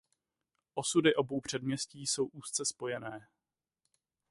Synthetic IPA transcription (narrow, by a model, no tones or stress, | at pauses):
ʔo̞sudɪʔo̞bo̞wpr̝̥ɛdmɲɛsciːso̞wʔuːst͡sɛspo̞jɛnɛː